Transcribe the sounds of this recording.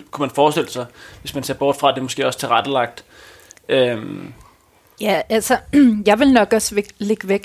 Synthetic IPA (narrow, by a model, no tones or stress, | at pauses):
kʰumænfɒːsd̥e̝ləsɑ̈ɪʋe̝smænse̝ɐb̥ɒːd̥fʁɑ̈d̥emɔ̽sɡ̥e̝ːɒ̽st͡sʰe̝ʁad̥əlɑ̈ɡ̥̚d̥ | øm | jæælsɐjɑ̈ɪʋe̝lnɒ̽ɡ̥ɒse̥le̝ɡ̥ʋeɡ̥